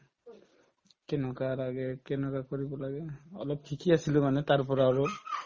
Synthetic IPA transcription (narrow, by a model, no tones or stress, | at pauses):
kɛnɔkalaɡɛkɛnɔkakoɹibɔlaɡɛɔ̰lɔp̚tʰikiasilomanɛtaɹpɔɹaaɹo